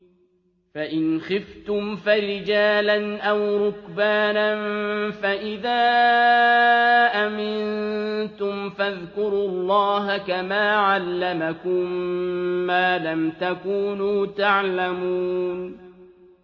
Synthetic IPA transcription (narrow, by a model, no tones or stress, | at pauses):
faʔɪnxɪft̪ʊmfaɾɪd͡ʒaːlanʔawɾʊkbaːnanfaʔɪðaː | ʔamɪnnt̪ʊmfaðkʊɾulˤːɑːɦakamaːʕalːamakʊmː | aːlamt̪akuːnuːt̪aʕlamuːn